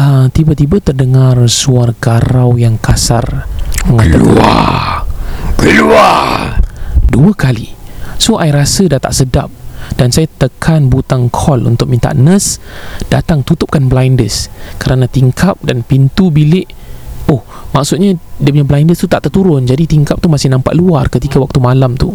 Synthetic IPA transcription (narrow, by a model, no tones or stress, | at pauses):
ət̪ibat̪ibat̪ərdəŋarsuarɡaɾawjaŋkasa̰rməŋalalkṵa̰ | kəlua | duəkalḭsohʔaiɾasədat̪a̰ʔsəda̰p̚d̥ansajat̪əkʰanbut̪aŋkʰɔlṵnt̪ʊk̚mint̪a̰ʔnə̃sd̥at̪aŋt̪ut̪ʊp̚kanblajndəskəɾanãt̪iŋkʰap̚danpint̪ubilɪʔ | ʊhmaksʊt̪̚ɲadiəpuɲablajndəst̪ut̪aʔt̪ərt̪uɾʊnd͡ʒadit̪iŋkap̚t̪umasɪhnãmpa̰ʔluarkət̪ikawak̚t̪umalamt̪u